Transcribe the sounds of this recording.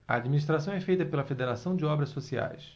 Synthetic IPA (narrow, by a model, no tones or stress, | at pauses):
ɐ̰ad͡ʒminiʃt̪ɾasɐ̃w̃ɛfejt̪ɐpelɐfed̪eɾasɐ̃w̃d͡ʒɪɔbɾɐsosia̰js